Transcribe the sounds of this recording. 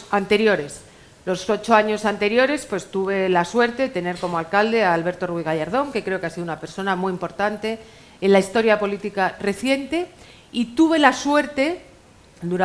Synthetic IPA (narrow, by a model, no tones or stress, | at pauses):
ant̪e̞ɾjo̞ɾe̞s | lo̞so̞t͡ʃo̞aɲo̞sant̪e̞ɾjo̞ɾe̞spwe̞st̪uβ̞e̞laswe̞ɾt̪e̞ðet̪e̞ne̞ɾko̞moalkald̪e̞aːlβe̞ɾt̪o̞ruiɣaʎaɾð̞o̞ŋke̞kɾe̞o̞keasiðunape̞ɾso̞namwiimpo̞ɾt̪ant̪e̞ː | nlaist̪o̞ɾjapo̞lit̪ikare̞θje̞nt̪e̞ | it̪uβe̞laswe̞ɾt̪e̞ | d̪uɾa